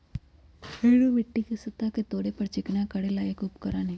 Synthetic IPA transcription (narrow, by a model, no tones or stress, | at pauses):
eːɽumɪʈːikesɪt̪aket̪oːɽepɐɾt͡ʃɪknakɐɽelaːekʊpkəɾaːneː